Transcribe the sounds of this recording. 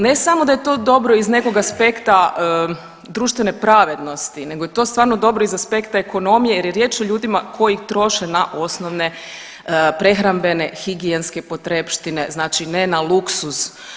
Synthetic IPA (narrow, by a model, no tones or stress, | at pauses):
ne̞samod̪ajet̪o̞d̪o̞bɾo̞izne̞ko̞ɡaspe̞kt̪aə | d̪ɾuːʃt̪ʋe̞nepɾaʋe̞d̪no̞st̪ine̞ɡojet̪o̞st̪ʋaːɾno̞d̪o̞bɾoizaspe̞kt̪aeko̞no̞mijejeɾjeɾje̞ːt͡ʃoʎuːd̪imakʰo̞jixt̪ɾo̞ʃenaʔo̞snoʋne̞ | pɾe̞xɾambe̞ne̞xiɡienskepo̞t̪ɾepʃt̪ineznaːt͡ʃine̞naluksus